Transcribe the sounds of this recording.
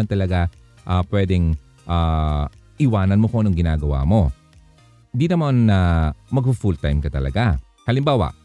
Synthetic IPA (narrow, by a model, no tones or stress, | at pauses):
ant̪ɐlɐɡa | ʔapwɛːd̪ɛŋ | ʔa | ʔɪwaːnɐnmokoɐnoŋɡɪnaːɡɐwa̰ːmo̞ | nd̪iːnɐmanːɐmɐɡ̚fʊfult̪ajmkɐt̪ɐlɐ̰ɡa | hɐlɪmbaːwɐ̰ʔ